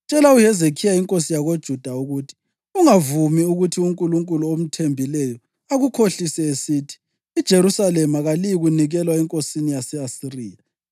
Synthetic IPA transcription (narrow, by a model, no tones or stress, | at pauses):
t͡ʃʼɛlaujɛzekʰijaiŋkʼosijaɣod̥ʒ̥ʱud̥ʱauɣutʰi̥ | uŋavumiuɣutʰiuŋkʼuluŋkʼuluom̩tʰembʱilɛjɔ | aɣukʰoɬisɛesiːtʰi̥ː | d̥ʒ̥ʱeɾusalɛmaɣalijiɣuniɣɛlwaɛŋkʼosinijasɛasiriːja